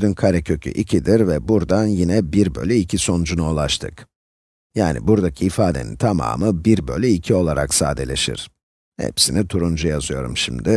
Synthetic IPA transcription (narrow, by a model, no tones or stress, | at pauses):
d̪ynkʰaɾɛcʰø̞cʰy̰ʔicʰid̪iɾvɛbuɾd̪anjinɛbiɾbø̞̰lʲyicʰiso̞nd͡ʒunolˠaʃt̪ʰɯ̰k | jaːnḭbuɾd̪acʰiːfaːd̪e̞nint̪ʰama̰ːmɯbiɾbø̞lʲyicʰio̞lˠaɾa̰ksaːd̪e̞lʲe̞̰ʃḭɾ̥ | hɛ̰psinit̪ʰuɾund͡ʒujazɯjo̞ɾṵmʃimd̪ɪ